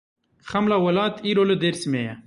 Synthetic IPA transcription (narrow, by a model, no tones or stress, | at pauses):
xɐmlawɐlɑːt̪ʰiɾoləd̪eɾsimeja